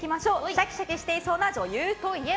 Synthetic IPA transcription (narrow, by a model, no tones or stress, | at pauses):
imaɕo̞ːɕakʲi̥ɕakʲeɕi̥t̪e̞iso̞ːnad͡ʑo̞jɯːt̪o̞ie̞